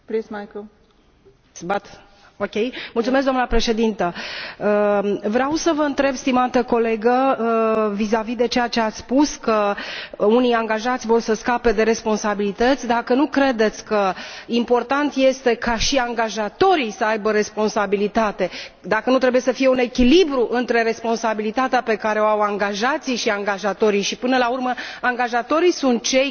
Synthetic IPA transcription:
pɾismajkəl | sbat̪ | okʲejmult̪sumes̬ɡd̪oamnəpɾe̞ʃe̞d̪int̪əəvɾeawsəvəɨnt̪ɾe̞bst̪imat̪əko̞le̞ɡə | vizavid̪e̞t͡ʃejat͡ʃe̞at̪sʲspuskə | unijaŋɡaʒat̪sʲvo̞rsəskape̞d̪e̞ɾe̞spo̞nsabilit̪ət̪sʲd̪akənukɾe̞d̪e̞t̪sʲkəimpo̞rt̪ant̪je̞st̪e̞kaʃiaŋɡaʒat̪o̞ɾisəajbəɾe̞spo̞nsabilit̪at̪e̞d̪akənut̪ɾe̞buje̞səfije̞une̞kʲilibɾuʔɨnt̪ɾe̞ɾe̞spo̞nsabilit̪at̪eape̞kaɾe̞oawaŋɡaʒat̪siʃiaŋɡaʒat̪o̞ɾijʃipɨnəlaurməaŋɡaʒat̪o̞ɾisunt̪̚t͡ʃe̞j

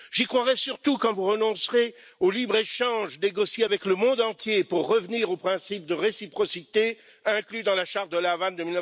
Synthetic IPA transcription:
ʒikχwaʁɛsyʁt̪ukɑ̃vuʁənɔ̃sʁe | olibʁeʃɑ̃ʒneɡɔsjeavɛkləmɔ̃d̪ɑ̃t̪jepuʁːəvniʁopχɛ̃sip̚d̪əʁesipχɔsit̪e | ɛ̃klyd̪ɑ̃laʃaʁt̪̚d̪əlavand̪əmilnə

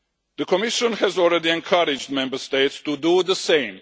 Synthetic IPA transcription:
ðəkʰɔmɪʃə̃nhɛzɔlˠɹɛdiɛ̃nkʰʌɾɪd͡ʒd̚mɛ̃mbəst̪eɪtstuduðəsẽɪ̃m

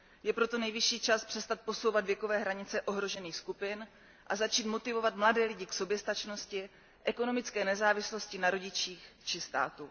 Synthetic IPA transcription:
jɛpɾo̞t̪o̞nɛjvɪʃiːt͡ʃaspr̥ɛst̪at̪̚po̞so̞wvad̪vjɛko̞vɛːɦɾaɲɪt͡sɛʔo̞ɦɾo̞ʒɛniːxskupɪn | ʔazat͡ʃiːt̪mo̞t̪ɪvo̞vat̪mladɛːlɪɟɪkso̞bjɛst̪at͡ʃno̞scɪ | ʔɛko̞no̞mɪt͡skɛːnɛzaːvɪslo̞scɪnaɾo̞ɟɪt͡ʃiːxt͡ʃɪst̪a̰ːt̪u

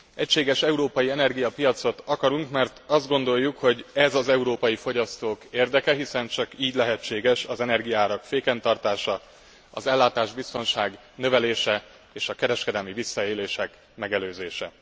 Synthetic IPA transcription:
ɛcʃeːɡɛʃɛuɾoːpɒjiɛnɛrɡijɒpijɒt̪so̞t̪ɒkɒɾuŋkmɛrt̪ɒzd̪ɡo̞nd̪o̞jːukho̞ɟɛzɒzɛuɾoːpɒjifo̞ɟɒst̪oːkeːrd̪ɛkɛɦisɛnt͡ʃɒkiːɟlɛɦɛt͡ʃːeːɡɛʃɒzɛnɛrɡijɒaːɾɒkfeːkɛnt̪ɒrt̪aːʃɒ | ɒ̰zɛlːaːt̪aːʒbist̪o̞nʃaːɡ | nø̞vɛleːʃɛ | eːʃɒkɛɾɛʃkɛd̪ɛlmivisːɒeːleːʃɛk | mɛɡɛløːzeːʃɛ̰

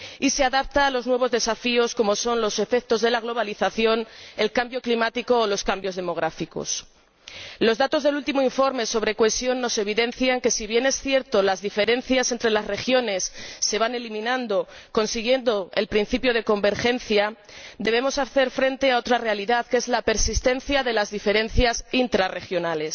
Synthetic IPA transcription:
ise̞aðap̚t̪aːlo̞znwe̞βo̞zðesafio̞sko̞mo̞so̞nlo̞se̞fe̞k̚t̪o̞zðe̞laɣ̞lo̞β̞aliθaθjo̞ne̞lkambjo̞klimat̪iko̞ːlo̞skambjo̞zðe̞mo̞ɣ̞ɾafiko̞̰s | lo̞zðat̪ozðe̞lult̪imoiɱfo̞ɾme̞so̞β̞ɾe̞kwesjo̞nːo̞se̞β̞iðe̞nθjaŋke̞siβje̞ne̞sθje̞ɾt̪o̞lazðife̞ɾe̞n̟θjase̞nt̪ɾe̞lazre̞xjo̞ne̞sːe̞β̞ane̞limĩnãnd̪o̞ | ko̞nsiɣ̞je̞nd̪o̞e̞̰lpɾin̟θipjo̞ð̞e̞ko̞mbe̞ɾxe̞nθja | d̪e̞βe̞mo̞saθe̞ɾfɾe̞nt̪e̞ao̞t̪ɾare̞aliðaðke̞zlape̞ɾsist̪e̞n̟θjaðe̞lazðife̞ɾe̞nθjasint̪ɾare̞xjo̞nale̞s

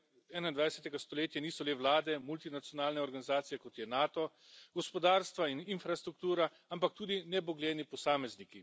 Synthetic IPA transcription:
ɛːnaind̪ʋajsɛt̪ɛɡast̪ɔleːt̪janiːsɔleʋlaːd̪ɛmult̪inat̪sjɔnaːlnɛɔɾɡanizaːt̪sijɛkɔt̪jɛnaːt̪ɔ | ɡɔspɔd̪aːɾst̪ʋaininfɾast̪ɾuk̚t̪uːɾa | ampak̚t̪uːd̪inɛbɔɡlɛːnipɔsaːmɛzniki

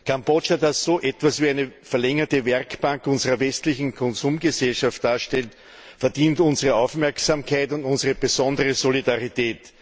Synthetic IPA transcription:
kʰambot͡ʃadasːoːʔɛtv̥asviːæɪnəfɛɐlɛŋɐtəvɛʁkb̥aŋkʊnzəʁɐvɛstlɪçn̩kʰɔnzuːmɡəzɛlʃaftd̥aːɐʃtɛlt | fɛɐdiːntʊnzəʁəaʊfmɛɐksamkʰaɪtʊntʊnzəʁəb̥əzɔndəʁəzolidaʁitɛːt

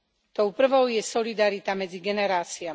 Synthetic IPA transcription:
t̪ɔʊpr̩ʋɔʊjɛsɔlid̪aɾit̪amɛd͡ziɡɛnɛɾaːt͡sia

